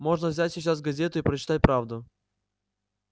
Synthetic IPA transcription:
mo̞ʐnəvzʲætʲsʲɪt͡ɕasvɡɐzʲet̪ʊipɾət͡ɕɪ̥t̪at̚ʲpɾavd̪ʊ

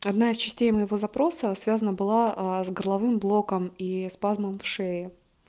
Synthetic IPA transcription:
ɐd̪naɪst͡ɕɪsʲtʲejməjɪvo̞zɐpɾo̞səsvʲazənəbɨlˠazɡərlˠɐvɨmblˠo̞kəmispazməmfʂeɪ

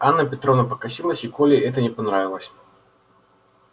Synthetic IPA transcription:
anːɐpʲɛt̪ɾɔvnɐpɐkasʲilˠəsʲikɔlʲɪɛt̪ɐnʲɛpanɾavʲilˠəsʲ

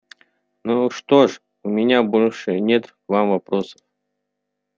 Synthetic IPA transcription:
nuʂt̪oʂ | ʊmʲɪnʲabo̞lʲʂɨnʲet̪ | vamvɐpɾosə̥f

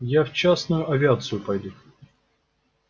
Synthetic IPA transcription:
jaft͡ɕasnʊjʊʔɐvʲɪat̪sɨjʊpɐjd̪ʲu

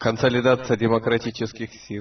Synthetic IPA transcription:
kənsəlʲɪd̪at̪sɨjədʲɪməkɾɐtʲit͡ɕɪskʲɪxsʲilˠ

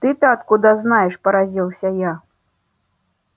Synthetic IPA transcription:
t̪ɨt̪aːt̪kud̪ɐznajɛʂpɐɾazʲilˠsʲɐja

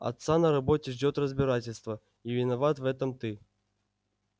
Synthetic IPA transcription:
a̰t̪sanɐɾabɔtʲɪʐdʲɔt̪rɐzʲbʲɪɾatʲɪlʲst̪vɐ | ivʲɪnavat̪vɛt̪ɐmt̪ɨ

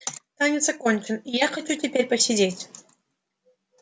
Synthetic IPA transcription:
t̪anʲɪt̪səkonʲt͡ɕɪnijaxɐt͡ɕutʲɪpʲeɾʲpəsʲɪdʲetʲ

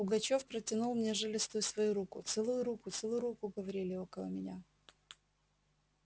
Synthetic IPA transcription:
ʊɡɐt͡ɕo̞fpɾətʲɪnulˠmnʲeʐɨlʲɪst̪ʊjʊsvɐjuɾukʊt̪sɛlˠʊjʊɾukʊt̪sɛlˠʊjʊɾukʊɡəvɐɾʲilʲɪo̞kəlˠə̰mʲɪnʲa

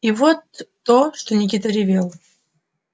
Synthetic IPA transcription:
ivot̪ː | oʂt̪onʲɪk̬ʲit̪əɾʲɪvʲelˠ

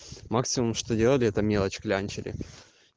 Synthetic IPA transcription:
maksʲɪmʊmʂt̪odʲe̞lˠəlʲɪɛt̪əmʲe̞lˠət͡ɕklʲanʲt͡ɕɪlʲɪ̰

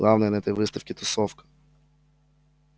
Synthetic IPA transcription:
lˠɑwnɐjnɛt̪ɛjʋɪst̪ɐfkʲit̪ɔsɔwkɐ̥

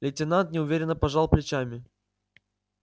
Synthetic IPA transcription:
lʲɪtʲɪnant̪nʲɪʊvʲeɾʲɪnːəpɐʐalˠplʲɪt͡ɕamʲɪ

